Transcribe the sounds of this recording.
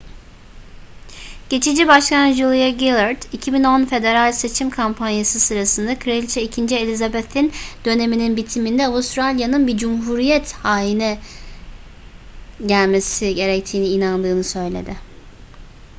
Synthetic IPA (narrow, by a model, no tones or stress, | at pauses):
ɟ̥e̞t͡ʃʰid͡ʒibaʃkanʒulˠijaɡilˠaɾd̪icʰibino̞nfe̞d̪e̞ɾalʲse̞t͡ʃʰimkʰampʰanjasɯsɯɾasɯnd̪akʰɾelʲt͡ʃʰɛicʰind͡ʒielʲizabɛt̪ʰind̪̥ø̞ne̞mininbit̪ʰimind̪ɛavust̪ɾalʲjanɯnbid͡ʒumɦuɾijɛt̪haːjinɛ | ɟælʲme̞siɟe̞ɾɛc̚t̪ʰiːniːnand̪ɯːnɯsø̞jlʲe̞̰d̪ɪ